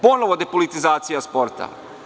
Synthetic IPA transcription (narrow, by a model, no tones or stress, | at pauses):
ponoʋod̪epolit̪izaːt̪sijaspo̞ɾt̪ʰa̰